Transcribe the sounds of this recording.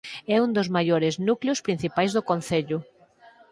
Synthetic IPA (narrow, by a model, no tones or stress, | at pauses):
ɛund̪ʊzmajoɾɪznukljʊspɾin̟θipajzðʊkon̟θeʎʊ